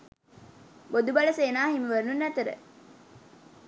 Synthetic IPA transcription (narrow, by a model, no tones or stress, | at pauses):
bod̪ubɐlɐseːnaːɦimiʋəɾnunːæt̪əɾə̰